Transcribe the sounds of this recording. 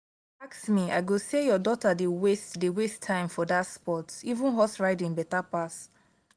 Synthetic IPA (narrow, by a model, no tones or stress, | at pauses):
aksmiaɪɡosejɔdɔtadewestdewestʰːãɪ̃mfɔdatspɔtivũnɦɔsɹaɪdĩnbɛtapas